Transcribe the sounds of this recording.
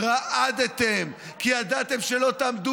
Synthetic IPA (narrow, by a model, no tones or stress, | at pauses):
ʁaʔad̪et̪em | kiad̪at̪e̞mʃelo̞t̪amd̪u